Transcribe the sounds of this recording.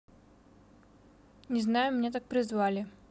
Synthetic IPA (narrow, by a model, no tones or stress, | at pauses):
nʲɪznajʊmʲnʲet̪̬ak̚pɾʲɪzvalʲɪ